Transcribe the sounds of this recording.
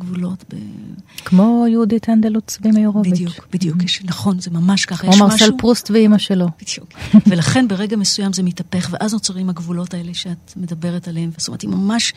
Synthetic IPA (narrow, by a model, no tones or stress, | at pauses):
ɡvulo̞tbḛkmo̞jeudit̪and̪elut͡sbimajeʁovijut͡ʃbid̪juʃnaχo̞nzemamaʃkaajmomaʁmselpʁustveimaʃelo̞bid̥jukvelaχe̞nbeʁeɡamesujamzemitɐpeχveʔaznot͡saʁimaɡvulo̞taeleʃeat̪me̞dɐbeʁetaleemvtomethimamaʃ